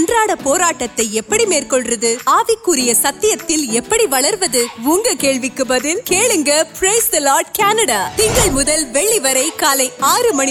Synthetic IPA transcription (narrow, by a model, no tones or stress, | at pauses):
ndraːɽɐpoːɾaːʈːɐt̪ːɐɪɛpːɐɽimeːrkɔɭrɐðɯaːʋɪkːɯɾɪjɐsɐt̪ːɪjɐt̪ːɪlɛpːɐɽiʋɐɭɐɾʋɐðɯʋuːŋɡɐkeːɭʋɪkːɯbɐðɯnkeːɭɯŋɡɐpɾɐɪsd̪ɐloːɾɖkaːnɐɽaːt̪ɪŋɡɐɭmʊðɐlʋɛɭːiʋɐɾɐɪkːaːlɐɪaːɾɯmɐn